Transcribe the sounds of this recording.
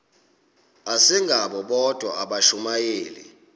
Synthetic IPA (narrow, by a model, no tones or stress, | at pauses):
asiŋɡʱaɓɔɓɔd̥ʱwaaɓaʃumajeːlḭ